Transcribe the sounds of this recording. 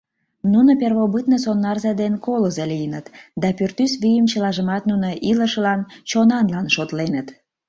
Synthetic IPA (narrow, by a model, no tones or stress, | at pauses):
nunoperβoβɨt̪nəsonːɑrzɑd̪enkoləzelijənət̪d̪ɑpyrt̪ysβijəmt͡ɕəlɑʒəmɑt̪nunoʔiləʃəlɑnt͡ɕonɑnlɑnʃot̪lenət̪